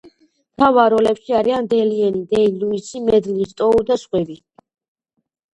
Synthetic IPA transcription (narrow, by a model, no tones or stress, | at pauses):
t̪ʰavaɾɔlɛpʃiaɾiand̪ɛliɛnid̪ɛiluisimɛd̪nist̪ʼɔud̪aʃχwɛbi